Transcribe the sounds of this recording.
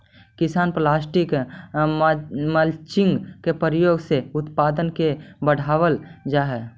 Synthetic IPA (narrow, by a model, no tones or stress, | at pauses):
kɪsaːnplaːsʈɪk | məlt͡ʃɪŋɡkepəɾjoːɡseʊt̪paːd̪ənkebəɽ̤ʱaːʋəld͡ʒaːɦɛː